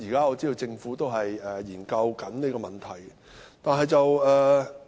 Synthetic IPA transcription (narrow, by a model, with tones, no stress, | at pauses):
iː˨˩kaː˥ɔː˨˧t͡siː˥t̪o˧wt͡sɪ˧ŋfuː˨˥t̪o˥wɦɐ˨jɛː˨˩jiː˨˩nkɐ˧wkɐ˨˥nne˨˥kɔː˧mɐ˨˩nt̪ʰɐ˨˩j | t̪aː˨nɦɐ˨˧jt͡sɐ˨wɛː˨